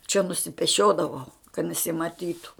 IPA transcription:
t͡ʃʲɛ nʊsʲɪpʲɛˈʃʲoːdɐʋɐʊ kɐt nʲɛsʲɪmɐˈtʲiːtʊ

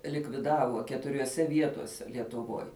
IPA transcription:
lʲɪkʋʲɪˈdɑːʋoː kʲɛtʊrʲoːˈsʲɛ ˈʋʲiɛtoːsʲɛ lʲiɛtʊˈʋoːj

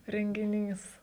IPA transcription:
rʲɛŋʲɡʲɪˈnʲiːs

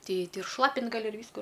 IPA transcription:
ˈtʲɛɪ ˈtʲɛɪ ɪr ˈʃlˠɑːpʲɪnt ɡɐˈlʲɪ ɪr ˈʋʲiːskʊ

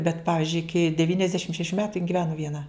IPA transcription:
bʲɛt ˈpɑːʋʲɪzʲd͡ʒʲʊɪ ˈɪkʲɪ dʲɛʋʲiːnʲɛzʲˈdʲæːʃʲɪm ʃʲɛˈʃʲuː ˈmʲæːtʊ jɪn ɡʲɪˈʋʲæːnʊ ʋʲiɛˈnɐ

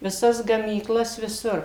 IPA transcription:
ʋʲɪˈsɐs ɡɐmʲiːˈklˠɐs ʋʲɪˈsʊr

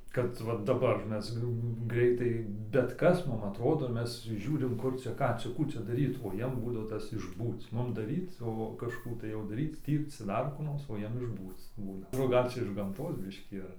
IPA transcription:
kɐt ˈʋɐ dɐˈbɐr ˈmʲɛs ˈɡrʲɛɪtɐɪ bʲɛt ˈkɐs ˈmʊm ɐtˈroːdoː ˈmʲɛs ˈʒʲuːrʲɪm ˈkʊr t͡ʃʲɛ ˈkɑː t͡ʃʲɛ ˈkuː t͡ʃʲɛ dɐˈrʲiːt oː ˈjiɛm ˈbuːdɐʋoː ˈtɐs ɪʒˈbuːt͡s ˈmʊm dɐˈrʲiːt͡s oː kɐʃˈkuː tɐɪ oː dɐˈrʲiːt͡s ˈtʲiːrt͡s ˈdɐr kuː ˈnoːrs oː ˈjiɛm ɪʒˈbuːt͡s ˈbuːnɐ ˈɡɐlʲ t͡ʃʲɛ ɪʃ ɡɐmˈtoːs ˈbʲɪʃʲkʲiː ɐr

